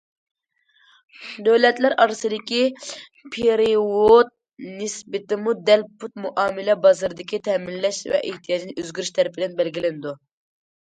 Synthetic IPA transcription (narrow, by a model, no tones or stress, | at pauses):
d̪øwlɛt̪læɾʔɑɾɨsɨd̪ɪkʲi | pʰeɾiwot̪̚ | nɪsbɪt̪ɪmud̪ɛlpʰut̪̚muʔɑːmɪlɛbɑzɨɾɨd̪ɪkʲit̪ʰɛmilːɛʃvɛ̰ʔeht̪ʰijɑːd͡ʒinɪøzɡʲyɾyʃt̪ʰɛɾpʰɪd̪ɛnbɛlɡʲilɪnɪd̪u